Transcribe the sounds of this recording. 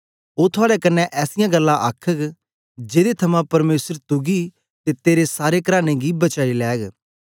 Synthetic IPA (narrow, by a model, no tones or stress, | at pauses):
oːt̪ʰʊaːɽɛkɐnːɛʔɛːsɪjãɡɐlːãʔakʰək | d͡ʒeːd̪et̪ʰɐmãpɐɾmeːsəɾt̪ʊɡi | t̪et̪eːɾesaːɾekɾaːñeɡibɐt͡ʃaːilɛːɡ